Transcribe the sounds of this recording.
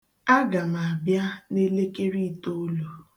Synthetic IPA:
a˦ɡa˨m˨a˨bja˦ne˦le˦ke˦ɾi˦˨to˦o˦lo˨

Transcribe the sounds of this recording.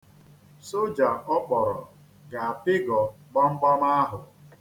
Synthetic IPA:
so˦d͡ʒa˨ɔ˦k͡pɔ˨ɾɔ̰˨ | ɡa˨a˨pɪ˦ɡɔ˨ɡ͡bɔ˦ŋ͡m̩˦ɡ͡bɔ˦ma˦a˦ɦʊ˨

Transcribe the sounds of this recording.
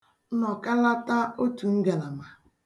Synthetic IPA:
nɔ˨ka˦la˦ta˦o˦tu˨ŋ̩˦ɡe˨la˨ma˨

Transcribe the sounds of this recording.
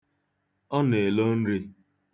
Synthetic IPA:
ɔ˦ne˨lo˦n̩˦ɾi˦

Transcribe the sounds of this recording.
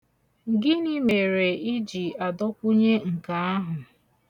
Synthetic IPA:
ɡɪ˦ni˦me˨ɾe˨i˦d͡ʒi˨a˨dɔ˦kʷʊ˦ɲe˦ŋ̩˨ka˨a˦ɦʊ˨

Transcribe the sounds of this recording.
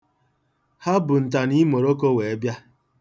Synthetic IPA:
ha˦bʊ˨n̩˨t̬a˨ni˦mo˨ɾo˦ko˦we˨e˦bja˦

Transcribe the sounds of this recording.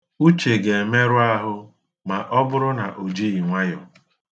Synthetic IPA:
u˦t͡ʃe˨ɡe˨me˦ɾʊ˦a˦ɦʊ˦ | ma˨ʔɔ˦bʊ˦ɾʊ˦na˨ʔo˨d͡ʒi˦i˨ŋʷa˦jɔ˨

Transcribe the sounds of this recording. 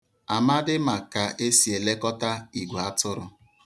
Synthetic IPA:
a˨ma˦dɪ˦ma˨ka˨ʔe˦si˨e˨le˦kɔ˦ta˦i˨ɡʷa˦tʊ˦ɾʊ˨

